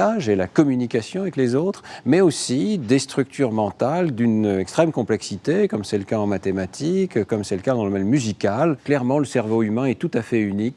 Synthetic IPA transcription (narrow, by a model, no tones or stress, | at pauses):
aʒelakɔmynikʲasjɔ̃avɛklezot̪χmɛosid̪est̪χyk̚t̪yʁmɑ̃t̪ald̪ynɛkst̪χɛmkɔ̃plɛksit̪ekɔmsɛləkaɑ̃mat̪emat̪ʰikkːɔmsɛləkad̪ɑ̃ləmɛlmyzikʲalklɛʁmɑ̃ləsɛʁvoymɛ̃ɛt̪ut̪afɛynik